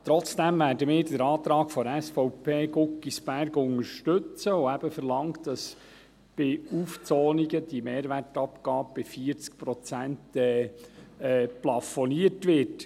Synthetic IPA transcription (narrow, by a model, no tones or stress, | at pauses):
t̪ɾɔt͡sd̥æmʋæːɾdəmɪːɾdəɾɑːt̪ɾɑːkfɔɾæsfɔʊpʰeːɡʊkːisbæɾɡʊŋəɾʃtɵt͡səoæb̥əfəɾlɑŋtd̥ɑs | b̥ɪuːft͡sɔːniɡəd̥imeːɾʋærtɑpɡ̥ɑːb̚b̥ɪfiəɾt͡sk̚pɾɔt͡sæntɛː | ɛːplɑfɔniətʋɪɾt